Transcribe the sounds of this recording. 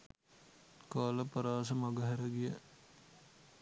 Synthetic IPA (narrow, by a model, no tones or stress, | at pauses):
kaːləpɐɾaːsəmɐɡəɦɛɾəɡijə